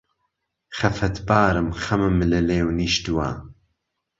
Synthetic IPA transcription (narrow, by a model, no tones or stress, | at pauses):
χɐfɐt̪ʰbaːɾɨmxɐmɨmlɨleːwniːʃt̪uwa̰